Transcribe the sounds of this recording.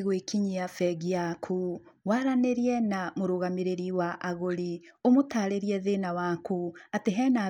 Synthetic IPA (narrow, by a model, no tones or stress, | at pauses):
ɣwekʰiɲiafɛɣiakʰu | waɾaneɾiɛnamoɾoɣameɾeɾiwaʔaɣoɾi | omotaːɾeɾiɛðenawaːkuateɦɛːna